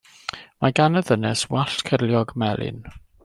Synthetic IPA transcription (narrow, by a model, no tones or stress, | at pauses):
maɡanəðənɛswaɬtkʰərljɔɡmɛlˠɪ̰n